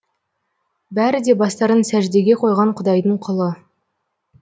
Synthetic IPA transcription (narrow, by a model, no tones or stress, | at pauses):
bæɾɪd̪e̞bɑst̪ɑɾənsæʒd̪eɡʲe̞qʰo̞jʁɑɴqʰʊd̪ɑjd̪əɴqʰolˠə